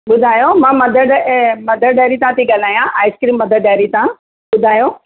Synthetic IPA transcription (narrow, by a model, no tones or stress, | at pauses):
ɓʊd̪ʱaːjomãːmɐd̪ʱəɖmɐd̪ʱəɾɖaːɾit̪ãːt̪ʰiɠal̤aːijãaːɪskɾiːmːɐd̪ʱəɾɖaːɾit̪ã | ɓʊd̪ʱaːjoː